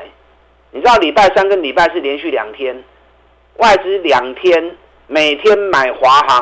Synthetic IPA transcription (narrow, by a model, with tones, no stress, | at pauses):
ni˨t͡sɻ̩˥d̪ɑ˥˩ʊli˨˩pa˥˩ɪsa˥nkə˦nli˨˩pa˥˧ɪʂɻ̩˥˨ljɛ˨˦nɕy˥˨ljɑ̰˨˩ŋt̪ʰjɛ˦n | wʔa˥˩ɪʈ͡ʂɻ̩˥ljɑ˨˩ŋt̪ʰjɛ˦n | me˨˩ɪt̪ʰjɛ˦nma˨˩ɪxwa˨˦xɑ˨˦